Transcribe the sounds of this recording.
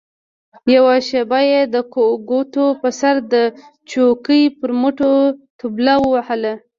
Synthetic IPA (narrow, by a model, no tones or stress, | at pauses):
jawaʃebajed̪əkoɡot̪opəsaɾd̪ə | t͡ʃokəjpəɾmʊʈot̪ublawəwahəla